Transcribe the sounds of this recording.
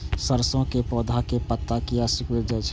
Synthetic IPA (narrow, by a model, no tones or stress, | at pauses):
səɾsõkepɔːd̪ʱakepət̪ːakiasikʋeɾd͡ʒaɛt͡ʃʰ